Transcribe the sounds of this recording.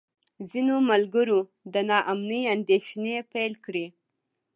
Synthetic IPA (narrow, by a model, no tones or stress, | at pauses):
zinomalɡəɾo | d̪ənɑʔamnəjand̪eʃnepelkɽi